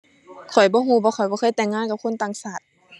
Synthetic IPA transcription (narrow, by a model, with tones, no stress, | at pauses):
kʰɔ˨˩jbɔː˧˦ɦuː˧˩˦bɔː˧xʰɔ˨˩jbɔː˧xɤː˧˥˨jt̪ɛː˧˩ŋːaː˧˨ka˧p̚kʰo˧˥˨nt̪aː˨ŋsaː˨˩t̪̚